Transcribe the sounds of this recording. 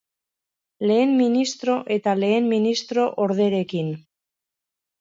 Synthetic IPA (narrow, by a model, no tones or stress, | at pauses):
le̞ːmːinist̪ɾo̞ʔe̞t̪ale̞ːmminist̪ɾo̞ʔoɾð̞e̞ɾe̞kin